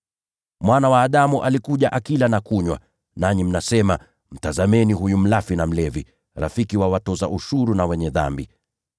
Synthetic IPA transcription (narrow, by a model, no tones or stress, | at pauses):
mwanawaːɗamuʔalikuʄaʔakilanakuɲwa̰ | naɲim̩nasɛma | m̩tazamɛniɦujum̩lafinam̩lɛvi | ɾa̰fikiwawatɔzaʔuʃuɾunawɛɲɛða̰mbi